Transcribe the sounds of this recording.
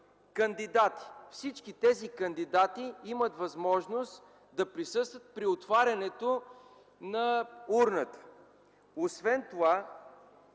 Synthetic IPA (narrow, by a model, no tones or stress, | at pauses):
kənd̪id̪at̪i̥fsit͡ʃkit̪ɛzikɐnd̪id̪at̪iimət̪vɐzmɔʒnost̪ | d̪ɐpɾisɤst̪vət̪̚pɾiot̪vaɾʲɐnɛt̪o | nɐuɾnət̪ə̥ | osvɛnt̪ova